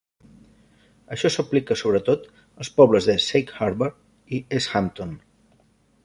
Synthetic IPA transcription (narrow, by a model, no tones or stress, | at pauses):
əʃɔsəplikəsoβ̞ɾət̪ot̪ | əlˠspɔβləzðəsejkhaɾβəɾ | iesxamt̪on